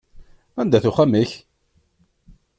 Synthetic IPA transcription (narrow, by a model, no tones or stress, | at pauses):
ænd̪æθuχæmiç